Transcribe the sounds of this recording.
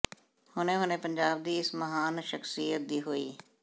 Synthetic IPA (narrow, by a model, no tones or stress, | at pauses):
hʊnẽɦʊnẽpə̃ɲd͡ʒaːb̚d̪iːɪsməɦaːnʃəxsijət̪̚d̪iːɦoiː